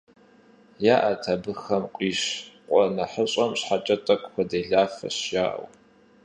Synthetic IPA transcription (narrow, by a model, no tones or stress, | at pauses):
jaːʔɐtʰɐbɨxɐmqʷʼiːɕqʷʼɔnɐħəɕʼɐmɕħat͡ʃʼɐtʼɐkʷʼxʷɔdeːɮaːfɐ̰ɕjaːʔɐ̰w